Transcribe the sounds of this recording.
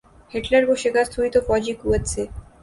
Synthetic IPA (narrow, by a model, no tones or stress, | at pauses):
heʈlaɾboʃekast̪ʰuit̪ofɔd͡ʑikuet͡ɕʰe